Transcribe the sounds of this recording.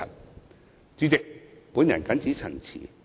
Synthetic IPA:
ɐ˨t̚ | t͡syː˨˧t͡sɪ˨k̚puː˨˥njɐ̰˨˩nkɐ˨˥nt͡siː˨˥t͡sʰɐ˨˩ŋt͡sʰḭː˨˩

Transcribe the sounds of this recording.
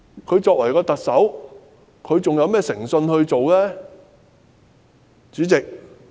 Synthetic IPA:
kʰɵ˨˧ɥt͡sɔː˧k̚wɐ˨˩jkɔː˧t̪ɐ˨k̚sɐ˨˥w | kʰɵ˨˧ɥt͡sʊ˨ŋjɐ˨˧wmɛː˥sɪ˨˩ŋsɵ˧nhɵ˧ɥt͡so˨wlɛː˥ | t͡syː˨˥t͡sɪ˨k̚

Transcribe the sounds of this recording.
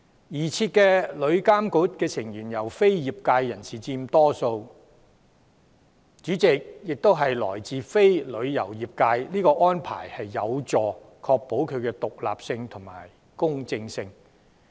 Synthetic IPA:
jiː˨˩t͡sʰiː˧t̚kɛː˧lɵ˨˧ɥkaː˥mku˨˥t̚kɛː˧sɪ˨˩ŋjyː˨˩njɐ˨˩wfe˥jjiː˨p̚kaː˧jːɐ˨˩nsiː˨t͡siː˧mt̪ɔː˥so˧w | t͡ʃyː˨˥t͡sɪ˨k̚jɪ˨k̚t̪o˥wɦɐ˨jlɔ̰ː˨˩jt͡siː˨fe˥jlɵ˨˧ɥjɐ˨˩wjiː˨p̚kaː˧jliː˥kɔː˧ʔɔː˥npʰa̰ː˨˩jhɐ˨jːɐ˨˧wt͡sɔː˨ | kʰɔː˧k̚po˨˥wkʰɵ˨˧ɥkɛː˧t̪ʊ˨k̚la̰ː˨p̚sɪ˧ŋt̪ʰʊ˨˩ŋma̰ː˨˩j | kʊ˥ŋt͡sɪ˧ŋsɪ˧ŋ

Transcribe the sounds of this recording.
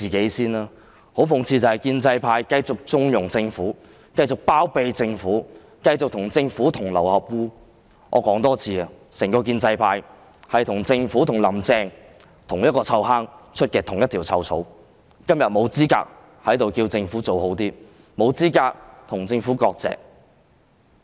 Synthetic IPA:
t͡siː˨ke˨˥jsiː˥naː˥ | ho˨˥wfʊ˨˩ŋt͡sʰiː˧t͡sɐ˨whɐ˨˩jkiː˧nt͡sɐ˧jpʰaː˧jkɐ˧jt͡sʊ˨k̚t͡sʊ˧˥ŋjʊ˨˩ŋt͡sɪ˧ŋfuː˨˥ | kɐ˧jt͡sʊ˨k̚paː˥wpe˧jt͡sɪ˧ŋfuː˨˥ | kɐ˧jt͡sʊ˨k̚t̪ʰʊ˨˩ŋt͡sɪ˧ŋfuː˨˥t̪ʰʊ˨˩ŋlɐ̰˨˩whɐ˨p̚wuː˧ | ʔɔ̰ː˨˧kɔː˨˥ŋt̪ɔː˥t͡sʰiː˧ɐ˨ | sɛː˨˩ŋkɔː˧k̬iː˧nt͡sɐ˧jpʰaː˧j | hɐ˨jt̪ʰʊ˨˩ŋt͡sɪ˧ŋfuː˨˥t̪ʰʊ˨˩ŋlɐ˨˩mt͡sɛː˧ŋ | t̪ʰʊ˨˩ŋjɐ˥t̚kɔː˧t͡sʰɐ˧wɦaː˥ŋt͡ʃʰɵ˥t̚kɛː˧t̪ʰʊ˨˩ŋjɐ˥t̪̚ʰiː˨˩wt͡sʰɐ˧wt͡sʰo̰˨˥w | kɐ˥mjɐ˨t̚mo˨˧wt͡siː˥ka̰ː˧k̚ | hɐ˨˥jt̪o˨wkiː˧wt͡sɪ˧ŋfuː˨˥t͡so˨who˨˥wt̪iː˥ | mo˨˧wt͡siː˥kaː˧k̚t̪ʰʊ˨˩ŋt͡sɪ˧ŋfuː˨˥kɔː˧k̚t͡sɛ̰ː˨k̚

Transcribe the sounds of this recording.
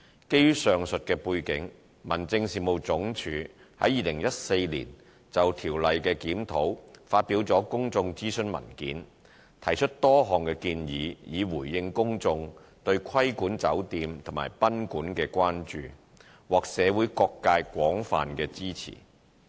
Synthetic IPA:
ke˥jy˥sœː˨ŋsɵ˨t̚kɛː˧puː˧jkɪ˨˥ŋ | mɐ˨˩nt͡sɪ˧ŋsiː˨mo˨˧wt͡sʊ˨˥ŋt͡ʃʰyː˨˧˥ | hɐ˨˥jiː˨˧lɪ˨˩ŋjɐ˥t̚se˧jlḭ˨˩n | t͡sɐ˨wt̪ʰiː˨˩wlɐ˨jkɛː˧kiː˨˥mt̪ʰo˨˥wfaː˧t̚pi˨˥wt͡sɔː˨˥kʊ˥ŋt͡sʊ˧ŋt͡siː˥sɵ˥nmɐ̰˨˩nkḭː˨˥n | t̪ʰɐ˨˩jt͡ʃʰɵ˥t̚t̪ɔː˥ɦɔː˨ŋkɛː˧kiː˧njiː˨˧jiː˨˧wuː˨˩jːɪ˧ŋkʊ˥ŋt͡sʊ˧ŋ | t̪ɵ˧ɥkʰɐ˥jkuː˨˥nt͡sɐ˨˥wt̪iː˧mt̪ʰʊ˨˩ŋma̰ː˨˩jpɐ˥nkuː˨˥nkɛː˧kʷaː˥nt͡ʃyː˨ | wɔː˨˩k̚sɛː˨˧wuː˨˥jkɔː˧kːaː˧jkʷwɔː˨˥ŋfa̰ː˨nkɛː˧t͡siː˥t͡sʰḭː˨˩

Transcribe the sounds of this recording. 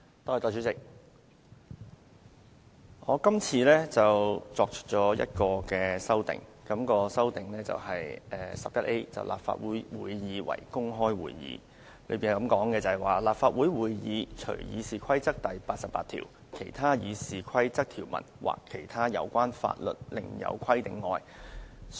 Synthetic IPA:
t̪ɔː˧˨˩t̪ɔː˧˩t͡ʃy˨˧˥t͡sɪ˨k̚ | ŋɔː˨˧kɐ˥mt͡sʰiː˧lɛː˥t͡sɐ˨wt͡sɔː˧k̚t͡ʃʰɵ̥˥t̚t͡sɔː˨˥jɐ̰˥t̚kɔː˧kɛː˧sɐ˥wt̪ɪ̰˨ŋkɐ˨˥mkɔː˧sɐ˥wt̪ɪ˨ŋlɛː˥t͡sɐ̰˨whɐ˨jʔɛː˨sɐ˨p̚jɐ˥t̚ʔe˥jt͡sɐ̰˨wlʔa̰ː˨p̚fa̰ː˧t̚wuː˨˥jwuː˨˧jːiː˨˧wɐ̰˨˩jkʊ˥ŋɦɔː˥jwuː˨˩jjḭː˨˧˥ | lɵ̰˨˧ɥpiː˨n˨kɐ˨˧˥mkɔː˨˥ŋkɛː˧t͡sɐ˨ɐ˨˩waː˨laː˨p̚faː˧t̚wuː˨˥jwuː˨˧jjiː˨˧t͡ʃʰɵ̰˨˩ɥjiː˨˧siː˨kʰɐ˥jt͡sɐ˥k̚t̪ɐ˨jpaː˧t̚sɐ˨pːaː˧t̪ʰḭː˨˩w | kʰe˨˩jt̪ʰaː˥jiː˨˧siː˨kʰɐ˥jt͡sɐ˥k̚t̪ʰi˨˩wmɐ̰˨˩nwʔa̰ː˨˩kʰːe˨˩jt̪ʰaː˥jɐ̰˨˧wkʷaː˥nfa̰ː˧t̚lɵ̰˨˩t̚lɪ̰˨˩ŋjɐ̰˨˧wkʷʰɐ˥jt̪ɪ˨ŋːɔː˨j

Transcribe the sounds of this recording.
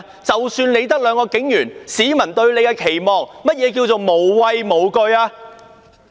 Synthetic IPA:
t͡sɐ˨wsyː˧nne˨˧jt̪̬ɐ˥k̚lœː˨˧ŋkɔː˧kɪ˨˥ŋjyː˨˩nsiː˨˥mɐ˨˩nt̪ɵ˧ɥne˨˧jkɛː˧kʰe˨˩jmɔː˨ŋmɐ˥t̚jɛː˨˧k̬iː˧wt͡ʃo˨˩wmo˨˩wwɐ˧jmo˨˩wkɵ˧ɥaː˧

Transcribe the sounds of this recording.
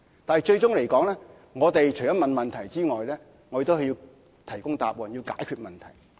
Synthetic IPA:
t̪aː˨nɦɛ˨jt͡ʃɵ˧ɥt͡sʊ˥ŋle˨˩jkɔː˨˥ŋlɛː˥ | ŋɔː˨˧t̪e˨jt͡ʃʰɵ˨˩jɐ˥mɐ˨nmɐ˨nt̪ʰɐ˨˩jt͡siː˥ŋɔː˨jlɛː˥ | ŋɔː˨˧e˨˩t̪o˥whɐ˨jiː˧w | t̪ʰɐ˨˩jkʊ˥ŋt̪a̰ː˨p̚wɔː˨nji˧wka̰ː˨˥jkʰyː˧t̚mɐ˨nt̪ʰɐ˨˩j

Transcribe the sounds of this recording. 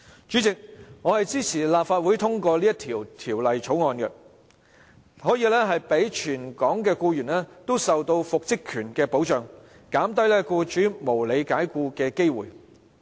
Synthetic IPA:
t͡ʃyː˨˥t͡sɪ˨k̚ŋɔː˨˧hɐ˨jt͡siː˥t͡sʰiː˨˩laː˨p̚faː˧t̚wu˨˥jt̪ʰʊ˥ŋkɔː˧liː˥jɐ˥t̪ʰiː˨˩wt̪ʰiː˨˩wlɐ˨jt͡ʃʰo˨˥wŋɔː˧nkɛ˧ | hɔː˨˥jiː˨˧lɛː˥ɦɐ˨jpe˨˥jt͡ʃʰyː˨˩nkɔː˨˥ŋkɛː˧kuː˧jyː˨˩nlɛː˥t̪o˥wsɐ˨wt̪o˧wfʊ˨k̚t͡sɪ˥kʰːyː˨˩nkɛː˧po˨˥wt͡ʃœː˨˩ŋ | kaː˨˥mt̪ɐ˥jlɛː˥kuː˧t͡ʃyː˨˥mo˨˩wle˨˧jkaː˨˥jkuː˧kɛː˧ke˥jwuː˨˩j

